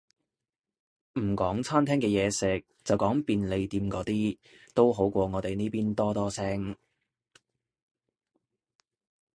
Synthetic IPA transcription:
m̩˨˩kɔː˨˥ŋt͡sʰaː˥mt̪ʰɛː˥ŋkɛː˧jɛː˨˧sɪ˨k̚t͡sɐ˨wkɔː˨˥ŋpiː˨˧nle˨˧jt̪iː˧mkɔː˨˥t̪iː˥ | t̪o˥wɦo˨˥wkʷɔː˧ŋɔː˨˧t̪e˨jniː˥piː˥nt̪ɔː˥t̪ɔː˥sɛː˥ŋ

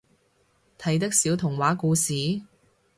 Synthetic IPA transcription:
t̪ʰɐ˨˥jt̪̬ɐ˥k̚siː˨˥wt̪ʰʊ˨˩ŋwaː˨˥kuː˧siː˨˥

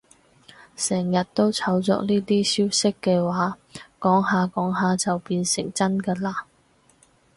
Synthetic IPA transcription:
sɛː˨˩ŋjɐ˨t̚t̪o˥wt͡sʰɐ˨˥wt͡sɔ̰˧k̚niː˥t̪iː˥siː˥wsɪ˥kːɛː˧waː˨˥ | kɔː˨˥ŋɦaː˨˧kɔː˨˥ŋɦaː˨t͡sɐ˨wpiː˧nsɪ˨˩ŋt͡sɐ˥nkɐː˧laː˧

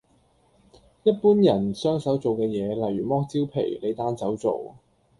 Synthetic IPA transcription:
jɐ˥t̚puː˥njɐ˨˩nsœː˥ŋsɐ˨˥wt͡so˨wkɛː˧jɛː˨˧lɐ˨˩jɥyː˨˩mɔː˥k̚t͡si˥wpʰḛ˨˩jle˨˧jt̪aː˥nsɐ˨˥wt͡so̰˨w

